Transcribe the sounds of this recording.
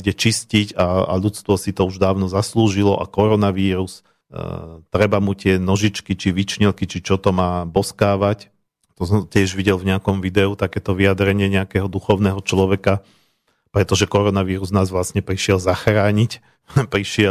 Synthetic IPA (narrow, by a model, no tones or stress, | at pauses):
ɟɛt͡ʃiscicaa̰ʎut͡st̪ʋɔsit̪ɔuʒd̪aːʊnɔzasluːʒilɔʔa̰kɔɾɔnaʋiːɾus | t̪ɾɛbamut̪ɪɛnɔʒit͡ʃkit͡ʃiʋit͡ʃɲilkit͡ʃit͡ʃɔt̪ɔmaːbɔskaːʋac | t̪ɔsɔmtɛʒʋiɟɛlvɲɛakɔmʋid̪ɛut̪akɛːt̪ɔʋiad̪ɾɛɲɪɛɲɛakɛɦɔd̪uxɔʊnɛɦɔt͡ʃlɔʋɛka | pɾɛt̪ɔʒɛkɔɾɔnaʋiːɾuznaːzʋlasɲɛpɾiʃɪɛlzaxɾaːɲic | pɾiʃɪɛ